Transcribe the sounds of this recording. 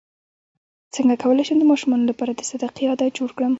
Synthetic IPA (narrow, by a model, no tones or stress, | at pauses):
t͡səŋɡakawəlajʃəmd̪əmɑʃumɑnolapɑɾad̪əsad̪aqijɑd̪ad͡ʒoɽkɽəm